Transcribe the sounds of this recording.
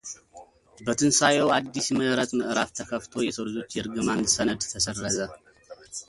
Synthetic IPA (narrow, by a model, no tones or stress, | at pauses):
bət̪ʰɨnsajɛwad̪ːisməɾət̪mɨʔɾaft̪ʰəkʰəft̪ʰo̞jɛsʰoɾɨzot͡ʃːjɛɾɡɨmansənəd̪t̪ʰəsərːəzə